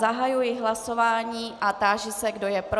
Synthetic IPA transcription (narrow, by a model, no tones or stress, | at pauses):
aɦajujɪɦlaso̞vaːɲiːʔat̪aːʒɪsɛɡdo̞jɛpɾ